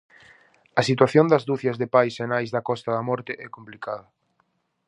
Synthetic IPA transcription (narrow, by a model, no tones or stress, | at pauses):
ɐsit̪waθjond̪ɐzðuθjɐzðepajsenajzðɐkɔst̪ɐðɐmɔɾt̪ɪʔɛkomplikaðɐ